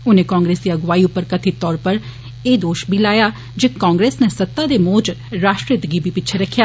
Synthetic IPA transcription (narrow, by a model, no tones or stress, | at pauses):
ʊneːkãːŋɡɾeːsd̪iːəɡʊʋaːiʊpːəɾkət̪ʰit̪ɔːɾpəɾ | eːd̪oːʃbʱiːlaːjaː | d͡ʒeːkãːŋɡɾeːsneːsət̪ːaːd̪eːmoːd͡ʒɾaːʃʈɾɪd̪ɡiːbʱiːpɪt͡ʃʰeɾəkʰːjaː